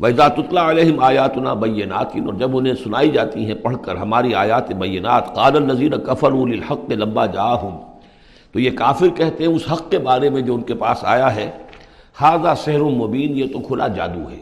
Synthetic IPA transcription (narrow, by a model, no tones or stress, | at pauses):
wɐɪzaːt̪ʊt̪laɐleːɦɪmaːjaːt̪ʊna̰ːbɐjːɪna̰ːt̪ɪnɔːɾd͡ʒɐbʊnẽsʊnaːid͡ʒaːt̪iɦɛ̃pɐɽ̤kɐɾɦɐmaːɾiaːjaːt̪ebɐjːɪnaːt̪qaːlɐlːɐziːnakɐfɐɾuːlɪlħɐqːelɐmbaːd͡ʒaːɦʊm | t̪ojekaːfɪɾkɛɦt̪eɦɛ̃ʊsɦɐqkebaːɾemẽd͡ʒoːʊnkepa̰ːsa̰ːjaɦɛː | haːzasɛɦɾʊnmobiːnjet̪okʰʊlʔa̰d͡ʒa̰ːd̪ṵɦɛː